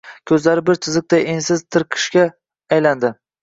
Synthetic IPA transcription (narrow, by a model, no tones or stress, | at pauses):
kʲʰɵzlaɾɪbɪɾt̪ʰɪzɨk̚t̪ajensɪzt̪ʰɨɾqʰɨ̥ʃkʲaː | jland̪ɪ